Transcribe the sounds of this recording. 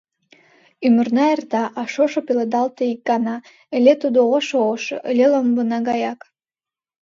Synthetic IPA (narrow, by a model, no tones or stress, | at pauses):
ymərnɑert̪ɑʔɑʃoʃopeled̪ɑlt̪eik̚ɡɑnɑ | elet̪ud̪ooʃooʃo̰ʔeleləmbənɑɡɑjɑk